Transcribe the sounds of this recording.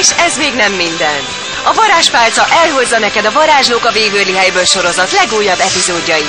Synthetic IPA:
ʃɛzmeːɡnɛmːind̪ɛnt̪ | ɒvɒɾaːʃpaːlt̪sɒʔɛlɦo̞zːɒnɛkɛd̪ɒvɒɾaːʒloːkɒveːɡøːliɦɛjbøːlʃo̞ɾo̞zɒt̪lɛɡuːjːɒbɛpizoːɟːɒji

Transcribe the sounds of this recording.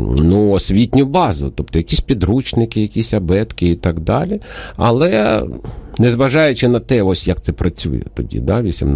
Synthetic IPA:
nuɔsʲʋʲitʲnʲʊbɑzʊ̰t̪ɔpt̪ɔjɐkʲisʲpʲid̪ɾut͡ʃnɪkɪjɐkʲisʲɐbɛt̪kɪit̪ɑɡd̪ɑlʲiɐ̰lˠɛ | nɛzʋɐʒɑjʊt͡ʃɪnɐt̪ɛɔsʲjɐk̚t̪sɛpɾɐt͡sʲṵjɛ̰t̪ɔdʲḭd̪ɑʋʲisʲḭmn

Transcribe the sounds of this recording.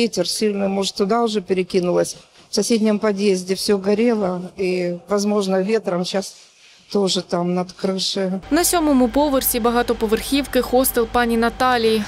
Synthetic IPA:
etʲɪrsʲilʲnɨjmoʐɨt̪ːʊd̪aʊʐɛpʲɪɾʲɪkʲinʊlˠəsʲ | fsɐsʲedʲnʲɪmpɐd̪jezʲdʲɪfsʲɵɡɐɾʲe̞lˠəivɐzmo̞ʐnəvʲe̞t̪ɾəmɕas | t̪o̞ʐɨt̪amnɐt̪kɾɨʂɨnɐsʲomɔmʊpoʋɨrsʲibɐɣat̪ɔpɔʋɨrxʲiwkɪxost̪ɨlˠpanʲinɐt̪alʲiji

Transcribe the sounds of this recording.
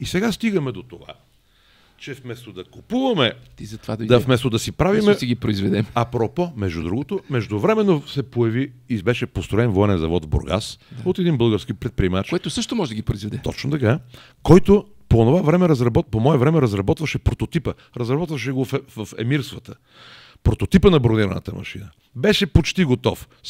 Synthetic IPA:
isɛɡast̪iɡɐmɛd̪ot̪ova̰ | t͡ʃɛfmɛst̪od̪ɐkopuvɐmɛizɐt̪ovad̪ɐid̪ɐfmɛst̪od̪ɐsipɾavimɛt̪ɛɡipɾoizvɛd̪ɛmɐpɾɔpɔmɛʒd̪ud̪ɾuɡot̪omɛʒd̪ovɾɛmɛnːosɛpojɐviːbɛʃɛpost̪ɾoɛnvɔɛnɛnzɐ̰vɔt̪vbo̰ɾɡa̰sd̪aot̪ɛd̪inbɤlˠɡəɾsk̟ipɾɛt̪̚pɾiɛmat͡ʃkoɛt̪osɤʃt̪omɔʒɛd̪ɐɡʲipɾoizvɛd̪ɛt̪ɔ̰t͡ʃnot̪ɐka | kɔjt̪o | poːnovavɾɛmɛɾɐzɾɐbɔt̪pomɔɛvɾɛmɛɾɐzɾɐbɔt̪vɐʃɛpɾot̪ot̪ipə | ɾɐzɾɐbɔt̪vɐʃ̬ɛɡofvəfɛ̰miɾst̪vət̪ə | pɾot̪ot̪ipənɐbɾoniɾɐnə̰t̪əmʔɐ̰ʃinə | bɛʃɛpot͡ʃt̪iɡot̪ɔf

